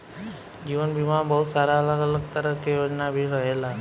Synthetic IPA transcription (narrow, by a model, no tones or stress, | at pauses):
d͡ʒiʋənbimabəɦut̪saɾaələɡələɡ̚t̪əɾəkejod͡ʒnabʱiɾəɦela